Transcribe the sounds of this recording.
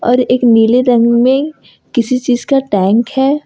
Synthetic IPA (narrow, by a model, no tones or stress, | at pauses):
ɔːɾeːkniːleɾɐ̃ŋɡmẽ | kɪsit͡ʃiːzkaʈɛ̃ːŋkhɛː